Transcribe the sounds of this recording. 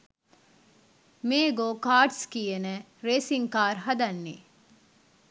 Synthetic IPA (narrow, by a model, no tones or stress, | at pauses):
meːɡoːkaːʈskiːenə | ɾeːsiŋkaːɾɦɐd̪ɐnːi